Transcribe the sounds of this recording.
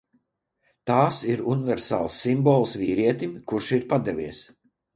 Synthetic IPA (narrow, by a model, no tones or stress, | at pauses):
t̪aːsiɾunivɛɾsa̰ːlˠsːimbɔːlˠsviːɾiɛt̪imkuɾʃiɾpad̪ɛvʲiɛs